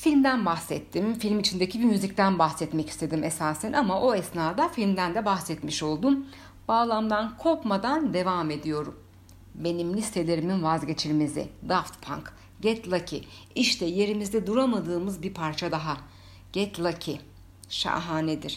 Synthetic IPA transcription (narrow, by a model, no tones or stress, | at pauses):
filʲmd̪ænbaxsɛt̪ʰːimfilʲmit͡ʃʰind̪ecʰibimyzic̚t̪ʰænbaxsɛt̪mɛci̥st̪ʰe̞d̪imesaːsænʔamaʔo̞ɛsnaːd̪afilʲmd̪ænd̪ɛbaxsɛt̪miʃo̞lˠd̪um | b̥aːlˠamd̪ankʰo̞ɾkmad̪and̪e̞vame̞d̪ijo̞ɾum | be̞nimlʲist̪ʰe̞lʲe̞ɾiminvazɟet͡ʃʰilʲmizḭd̪aft̪pʰa̰ŋk | ɟɛt̪lˠacʰi | iʃt̪ʰɛje̞ɾimizd̪ɛd̪uɾamad̪ɯːmɯzbiɾpʰaɾt͡ʃʰad̪aɦa | ɟ̥ɛt̪lˠacʰi | ʃa̰ɦaːned̪iɾ̥